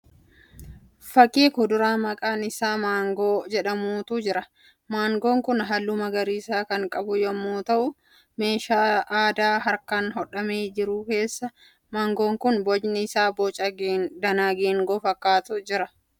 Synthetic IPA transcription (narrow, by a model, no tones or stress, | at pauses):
fɐkʼːiːkʊd̪ʊɾaːmɐkʼaːnɪsaːmaːŋɡoːd͡ʒɛᶑɐmuːt̪ʊd͡ʒɪɾɐ | maːŋɡo̞ːŋkʊnɦɐlːʊmɐɡɐɾiːsaːkɐŋkʼɐbʊjɔmːoːt̪ɐʔʊ | me̞ːʃaːaːd̪aːɦɐɾkɐnɦɔᶑɐmeːd͡ʒɪɾʊke̞ːsːɐ | maːŋɡoːŋkʊnbɔd͡ʒnɪɪsaːboːt͡ʃʼɐɡd̪ɐnaːɡeːŋɡoːfɐkːaːt̪ʊd͡ʒɪɾɐ